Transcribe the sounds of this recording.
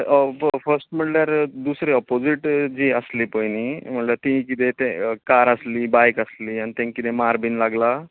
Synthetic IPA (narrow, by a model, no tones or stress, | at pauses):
fəɾsʈm̤əɳljaɾd̪usɾeɔpod͡ʑiʈd͡ʑiəslipəjnim̤əɳlat̪ĩkit̪et̪ẽkaɾəsliːbajkəsliːanit̪ẽŋkit̪emaɾbinlaɡla